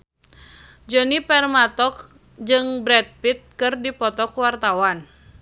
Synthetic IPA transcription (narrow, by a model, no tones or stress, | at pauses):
d͡ʒɔnipɛrmat̪ɔk | d͡ʒɨŋbɾɛt̪̚pit̪̚kɨrdipɔt̪ɔkwart̪awan